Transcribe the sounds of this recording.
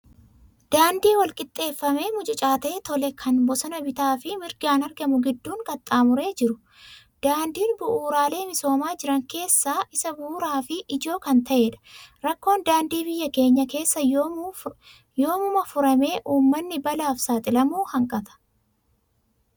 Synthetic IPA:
d̪̥aːnd̪iːwɐlkʼɪt̪ʼːe̞ːfːɐme̞ːmʊt͡ʃʼɪt͡ʃʼaːt̪eːt̪ɔlɛkʰɐnbɔsɐnɐbɪt̪aːfɪmɪɾɡaːnɐɾɡɐmʊɡɪd̪ːuːŋkʼɐt̪ʼːaːmʊɾe̞ːd͡ʒɪɾʊ | d̪̥aːnd̪iːnbʊʔuːɾaːle̞ːmɪso̞ːmaːd͡ʒɪɾɐŋke̞ːsːaːʔɪsɐbʊːɾaːfɪʔɪd͡ʒo̞ːkɐnt̪ɐʔe̞ːᶑɐ̥ɾɐkːo̞ːnd̪aːnd̪iːbɪjːɐke̞ːɲːɐke̞ːsːɐ | jo̞ːmʊmɐfʊɾɐme̞ːʔuːmːɐnːɪbɐlaːfsaːt̪ʼɪlɐmuːhɐŋkʼɐt̪ɐ̥

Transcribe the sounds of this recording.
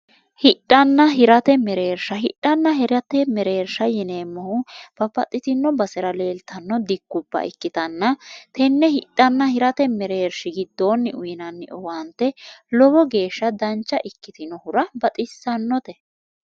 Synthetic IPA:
hɪᶑʼːɐnːɐɦɪɾɐt̪ɛmɛɾeːɾʃɐɦɪɗːɐnːɐɦɛɾɐt̪ɛmɛɾeːɾʃɐjɪneːmːɔhʊb̥ɐbɐt̪ʼːɪt̪ɪnːɔbɐsɛɾɐleːlt̪ɐnːɔd̪ɪkːʊbːɐ̰ʔɪ̰kːɪt̪ɐnːɐt̪ʰɛnːɛhɪᶑʼːɐnːɐhɪɾɐt̪ɛmɛɾeːɾʃɪɡɪd̪ːoːnːɪʔʊjɪnɐnːɪ̰ʔɔwɐnt̪ːɛlɔbɔɡe̞ːʃːɐd̪ɐnt͡ʃːɐʔɪkːɪt̪ɪnɔhʊɾɐbɐt̪ʼɪsːɐnːɔt̪ɛ

